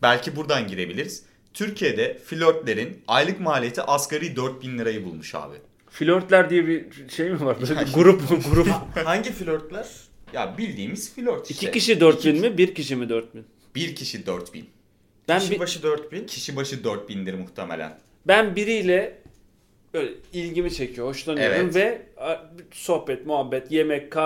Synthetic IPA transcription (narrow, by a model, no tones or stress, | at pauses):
bælʲcʰibuɾd̪anɟiɾe̞bilʲiɾiz̥ | t̪ʰyɾcʰije̞d̪ɛfilʲøɾt̪lʲe̞ɾinajlˠɯkmaːlʲijet̪ʰiʔaskʰaɾijd̪øɾt̪̚binlʲˠiɾajɯbulˠmuʃa̰ːbɯ̰ | filʲøɾt̪lʲæɾd̪ijɛbiʃejimivaɾbøaɡuɾupmɡuɾuhaɲɟifilʲøɾt̪lʲˠæɾ̥ | ja̰bilʲd̪iːmiz̥filʲøɾt̪iiʃcʰiɛciʃid̪øɾt̪binmibiɾciʃimid̪øɾt̪̚bin | b̥iɾcʰiʃid̪øɾt̪bḭn | b̥æniʃibaʃɯd̪øɾt̪bincʰiʃibaʃɯd̪øɾt̪̚binlʲiɾimuht̪ʰemelʲæ̰n | bænbiɾijlʲɛ | bøjlʲɛilʲɟimit͡ʃʰe̞cʰijo̞ho̞ʃlˠanyjoɛɾumvɛaso̞hpɛt̪muɦabːɛt̪jemɛckʰːa